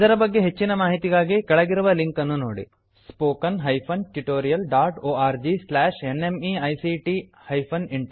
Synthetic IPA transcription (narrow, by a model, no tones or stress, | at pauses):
id̪ɐɾɐbɐɡːe̞ɦe̞t͡ʃːinɐmaːɦit̪iɡaːɡikɐɭɐɡiɾuʋɐliŋkɐnːuno̰ːɽḭ | spoːkɐnɦɐjpʰɐnʈiʈoːɾijɐlɖaːʈoːaːɾd͡ʒislaːʂenemiɐjsiʈi | hɐjpʰɐniɳʈ